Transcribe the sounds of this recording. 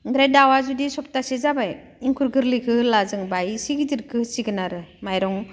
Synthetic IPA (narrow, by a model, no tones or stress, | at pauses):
ɡɾedawazudisɔp̚tasizabaj | iŋkʰuɾɡɯɾlikʰɯlazɯŋbajsiɡitiɾkʰɯsiɡɯnaɾɯmajɾɔŋ